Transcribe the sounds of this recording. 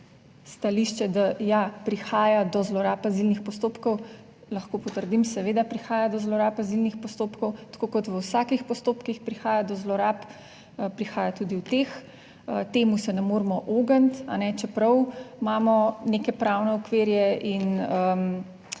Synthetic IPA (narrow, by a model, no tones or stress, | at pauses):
st̪aliʃt͡ʃɛd̪ajapɾixaːjad̪ɔzlɔɾaːpazilnixpɔst̪oːpkɔw | lɐxkopɔt̪əɾd̪imsɛʋeːd̪apɾixaːjad̪ɔzlɔɾapazilnixpɔst̪oːpkɔwt̪ḁkoːkɔt̪ʋəwsaːkixpɔst̪oːpkixpɾixaːjad̪ɔzlɔɾaːp | pɾixaːjat̪ud̪iwt̪ex | ət̪eːmusɛnɛmoːɾmɔʔoːɡənt̪a̰nɛt͡ʃɛpɾɐwmaːmɔnekɛpɾawnɛɔkʋeːɾjɛʔinəm